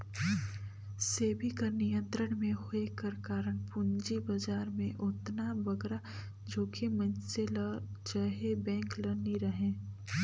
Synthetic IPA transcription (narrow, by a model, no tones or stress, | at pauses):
seːbʱikɐɾnijə̃nt̪ɾəɽ̃mẽɦoekəɾkaːɾəɽ̃pʊɲd͡ʒibɐd͡ʒaːɾmẽʔʊt̪nabɐɡɾa | d͡ʒoːkemɐnsel | t͡ʃaɦebɛ̃ːŋklɐniɾɐɦẽː